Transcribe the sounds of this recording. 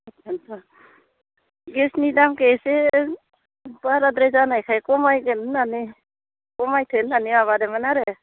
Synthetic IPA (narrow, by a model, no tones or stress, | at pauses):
atʰantɔ | ɡesnidamkese | baɾad̪ɾezanajkʰajkɔmajɡennani | kɔmajtʰenːaniaβadɛmanaɾe